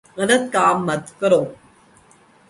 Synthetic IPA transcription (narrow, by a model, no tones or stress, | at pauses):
ənɐkːaːmːɐt̪kɐɾo